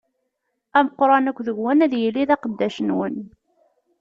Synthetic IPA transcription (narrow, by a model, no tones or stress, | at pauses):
æməqɾˤɑnækʷːðəɡwænæðjəlːiðɑqəd̪ːæʃənwən